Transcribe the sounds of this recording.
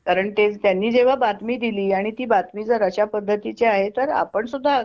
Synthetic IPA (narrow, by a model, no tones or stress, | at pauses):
kaɾəɳt̪ed͡zt̪janːiːd͡zeʋ̤abat̪miːd̪iliːaɽ̃it̪iːbat̪miːd͡zəɾəɕapəd̪ʱːət̪it͡seaɦet̪əɾa̰pəɳsud̪ʱːa